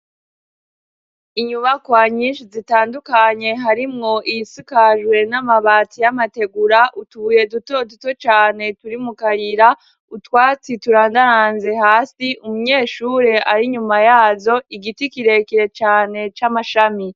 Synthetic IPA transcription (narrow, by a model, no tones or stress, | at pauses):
iɲuβakwaɲiːnʃizitaːndukaɲe̞ɦaɾimŋo̞ʔijisikaʒwe̞namaβaːtijamate̞ɡuɾaʔutuβuje̞duto̞duto̞t͡ʃaːne̞tuɾimukaɾiɾa | utwaːt͡situɾaːndaɾanze̞haːsiʔumuɲe̞ːʃuːɾe̞ʔaɾiɲumajaːzo̞iɡitikiɾe̞kiɾe̞t͡ʃaːne̞t͡ʃamaʃami